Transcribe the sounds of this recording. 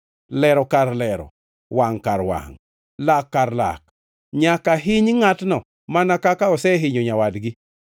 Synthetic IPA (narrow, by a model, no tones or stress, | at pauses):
lɛɾɔkaɾlɛɾɔ̰ | waŋkaɾwa̰ŋ | lakːaɾla̰k̚ | ɲakaɦɪɲŋatnɔ | manakakaɔsɛɦɪɲoɲawadɡɪ